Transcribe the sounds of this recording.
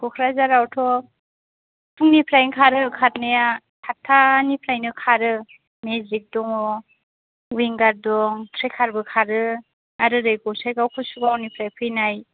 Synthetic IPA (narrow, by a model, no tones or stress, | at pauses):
kɔkʰɾazaɾawtʰɔ | pʰuŋnipʰlajnkʰaɾɯkʰat̚naja | tʰatʰːanipʰlajnɯkʰaɾɯ | mezik̚dɔŋɔ | wiŋɡaɾdɔŋtʰɾekʰaɾbɯkʰaɾɯ | aɾɯɾɯjɡɔwsajkawkʰɯsuɡawnipʰlajpʰɯjnaj